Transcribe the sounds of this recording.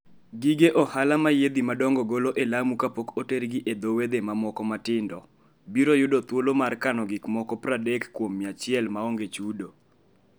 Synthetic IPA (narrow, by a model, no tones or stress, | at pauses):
ɡiɡeʔɔhalamajed̪imadɔŋɡɔɡoloʔelamukapokoteɾɡɪʔed̪owed̪emamɔkɔmatɪndɔ̰ | biɾojʊdot̪wolomarkanɔɡɪkmɔkɔpɾadekːwomːɪat͡ʃɪɛlmaoŋɡet͡ʃudo